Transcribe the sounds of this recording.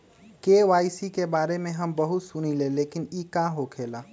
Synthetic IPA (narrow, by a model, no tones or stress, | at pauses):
keːʋaːɪsikebaːɾemẽɦɐmbɐɦʊt̪sʊñileleːkɪniːkãːɦokʰeːlaː